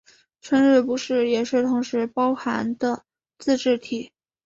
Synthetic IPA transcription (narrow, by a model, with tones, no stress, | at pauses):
ʈ͡ʂʰə˥ŋɻ̩˥˩pu˧˥ʂɻ̩˥˩jɛ˨˩ʂɻ̩˥˩t̪ʰʊ˧˥ŋʂɻ̩˧˥pɑ˥ʊxa˧˥nd̪ə˧ | t͡sɹ̩˥˧ʈ͡ʂɻ̩˥˩t̪ʰi˨˩˦